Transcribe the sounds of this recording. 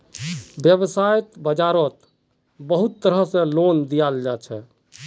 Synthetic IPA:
bjəbsajt̪bəd͡ʒaɾət̪ | bəɦut̪ːəɾəsẽlond̪ijald͡ʒat͡ʃʰɛ

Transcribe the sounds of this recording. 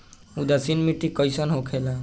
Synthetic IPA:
ud̪asinmiʈikɔjsɔnɦokʰɛla

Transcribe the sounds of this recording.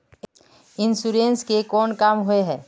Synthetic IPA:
ɪnsuɾẽːnskekɔːnkaːmɦʊeɦɛː

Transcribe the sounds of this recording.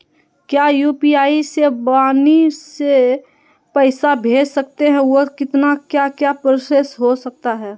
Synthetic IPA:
kjajuːpiaːisebaːnise | pɛɪsabʱeːd͡ʒsɐk̚t̪eɦɛ̃okɪt̪nakjakjapɾosesɦosɐk̚t̪aɦɛː

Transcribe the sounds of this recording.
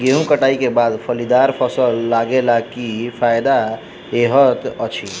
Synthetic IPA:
ɡeɦũkəʈaikebad̪pʰəlid̪aɾpʰəsəlːaɡelakipʰajd̪a | eɦət̪ət͡ʃʰi

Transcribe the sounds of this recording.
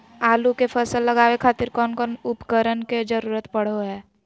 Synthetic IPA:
aːlukepʰəsəlːəɡaːwekʰaːt̪ɪɾkɔːnkɔːnʊpkəɾənked͡ʒəɾuːɾət̪pəɽ̤oɦɛː

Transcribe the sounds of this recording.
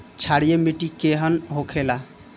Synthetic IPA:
t͡ʃʰaɽijemiʈikeɦənɦokʰela

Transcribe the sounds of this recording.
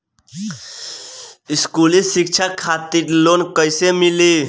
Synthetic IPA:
iskulisik̚t͡ʃʰakʰat̪iɾlonkəjsemili

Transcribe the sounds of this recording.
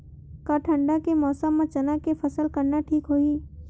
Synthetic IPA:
kaʈʰə̃ɳɖakemɔːsəmːãt͡ʃənakefʰəsəlkəɾnaʈʰiːkɦoːiː

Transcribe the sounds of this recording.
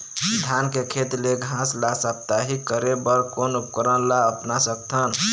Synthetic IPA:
d̪ʱankekʰet̪leɡʱãslasap̚t̪aɦikːəɾebəɾkonupkəɾənlaəpnasək̚t̪ʰən

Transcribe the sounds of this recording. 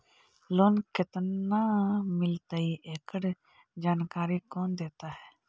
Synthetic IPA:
loːnkɪt̪naːmɪlt̪aːiːʔeːkəɽ | d͡ʒaːnkaːɾiːkoːnd̪eːt̪aːɦɛː

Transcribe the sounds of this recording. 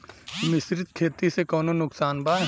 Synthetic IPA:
mɪsɾɪt̪̚kʰeːt̪isekɔːnonʊksaːnbaːɦ

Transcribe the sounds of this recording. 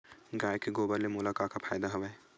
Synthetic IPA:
ɡaːjkeɡoːbəɾlemʊlaːkaːkapʰa̰ːjd̪aɦɐʋɛː

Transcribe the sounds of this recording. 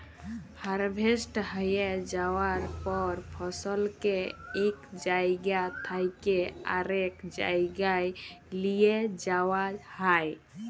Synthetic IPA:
həɾbʱesʈɦəjed͡ʒawaɾpɔɾpʰɔsəlkeekd͡ʒajɡjat̪ʰajkea̰ɾekd͡ʒa̰ɡajlijed͡ʒawahaj

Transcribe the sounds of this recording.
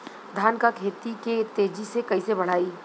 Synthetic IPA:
d̪ʱaːnkakʰeːt̪iket̪eːd͡ʒisekɐisebɐɽ̤aːiː

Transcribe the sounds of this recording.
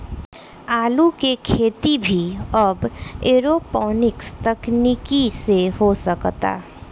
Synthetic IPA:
aːlukekʰeːt̪ibʱiəbeɾopɔːnɪkst̪əknikiseɦosəkt̪a̰

